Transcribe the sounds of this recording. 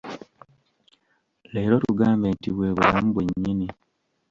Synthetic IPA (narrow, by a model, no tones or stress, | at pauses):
le̞ːɾo̞tuɡaːmbe̞ːntiβwe̞ːβulamuβweɲːini